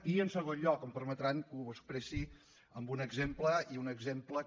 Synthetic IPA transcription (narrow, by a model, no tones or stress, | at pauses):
iənsəɣ̞onʎɔkəmpəɾmət̪ɾaŋkuəspɾesi | əmbunəɡzempləiunəɡzemplə